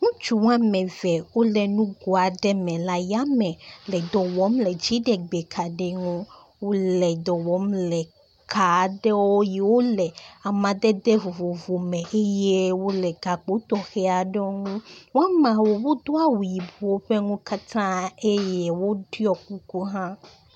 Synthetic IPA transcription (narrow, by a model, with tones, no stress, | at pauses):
ŋũ˦t͡ʃu˨w̃a˦mɛ̃˨vɛ˨wo˦lɛ˨nũ˦ɡo˨a˨ɖɛ˦mɛ̃˨la˨ja˦mɛ̃˨lɛ˨d̪ɔ˨wɔ˨˦mlɛ˨d͡ʒi˨˦ɖɛ˨ɡ͡bɛ˨kʰa˨ɖe˨ŋũ˦ | wo˦lɛ˨d̪ɔ˨wɔ˨˦mlɛ˨ | kʰa˨˦ɖɛ˦wɔ˦ji˨wo˦lɛ˨a˨mã˨d̪ɛ˦d̪ɛ˦vo˨vo˨vo˨mɛ̃˨e˦je˦wo˦lɛ˨ɡa˨k͡po˦t̪ɔ˨xɛ˦a˨ɖɛ˦o˦ŋũ˦wo˦a˦mã˨wo˨wo˦d̪o˦a˨wu˨ji˨bu˨o˦ɸe˦ŋũ˦ka˦t̪ʰã˦e˦je˦wo˦ɖi˦ɔ˨ku˦ko˦ɦã˦